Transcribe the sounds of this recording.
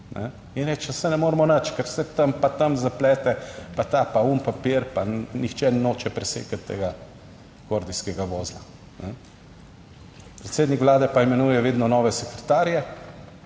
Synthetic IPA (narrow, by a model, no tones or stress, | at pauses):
nʔɛ̰ | inɾɛt͡ʃɛsɛnɛmoːɾmɔnɐt͡ʃkɛɾsɛt̪ɐmpat̪ɐmzaplɛːt̪ɛpat̪apaunpapiɾpanixt͡ʃɛnnoːt͡ʃɛpɾɛsḛːkat̪ːḛːɡa | koɾd̪iskɛɡaʋoːzla | nɛ | pɾɛt̪seːd̪nikʋlaːd̪ɛpaɛmɛnuːjɛʋeːd̪nɔnɔːʋɛsɛkɾɛt̪aːɾjɛ